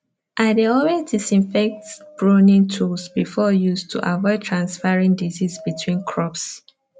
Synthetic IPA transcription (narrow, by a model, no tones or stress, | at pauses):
ʔadeɔwɛdisĩɱfɛk̚tb̥ɹonĩntʰusbifɔjustʰṵʔavɔɪtʰɹãnsfaɹĩŋdizisbitʰwĩnkʰɹɔps